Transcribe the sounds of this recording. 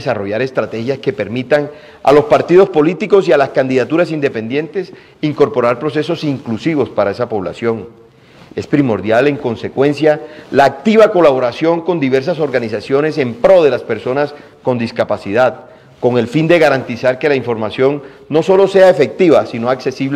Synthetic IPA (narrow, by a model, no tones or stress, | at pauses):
saro̞ʝaɾe̞st̪ɾat̪e̞xjaske̞pe̞ɾmit̪aŋ | a̰lo̞spaɾt̪iðo̞spo̞lit̪iko̞sialaskand̪iðat̪uɾasind̪epe̞nd̪je̞nt̪e̞s | iŋko̞ɾpo̞ɾaɾpɾo̞s̬e̞so̞siŋklusiβo̞spaɾae̞s̬apo̞βla̰sjo̞ŋ | e̞spɾimo̞ɾðjale̞ŋko̞nse̞kwe̞nsjalaːk̚t̪iβako̞laβo̞ɾasjo̞ŋko̞nd̪iβe̞ɾs̬aso̞ɾɣanisasjo̞ne̞s̬e̞mpɾo̞ðe̞laspe̞ɾso̞nas | ko̞nd̪iskapasiðað | ko̞ŋe̞lfind̪e̞ɣaɾant̪isaɾke̞laiɱfo̞ɾmasjo̞ŋno̞so̞lo̞se̞aefe̞k̚t̪iβasino̞akse̞siβl